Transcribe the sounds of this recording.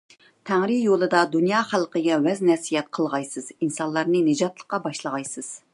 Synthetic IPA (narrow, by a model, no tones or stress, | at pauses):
t̪ʰæŋɾɨjolˠɨd̪ɑd̪unjɑχælˠqəɡʲɛwɛznɛsijɛt̪̚qʰəlˠʁɑjsɨz̥insɑnlˠɑɾnɨnɨd͡ʒɑt̪lˠəqːɑbɑʃlˠəʁɑjsɨz̥